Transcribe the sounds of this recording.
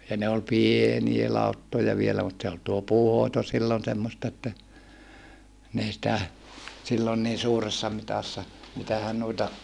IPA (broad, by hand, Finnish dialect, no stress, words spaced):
jɑ ne ol pienie lɑutːojɑ ʋielæ mut se ol tuo puːhoito silːon semːostɑ etːæ n ei sĭtæ silːon niː suːresːɑ mitɑsːɑ mitæhæn nuitɑ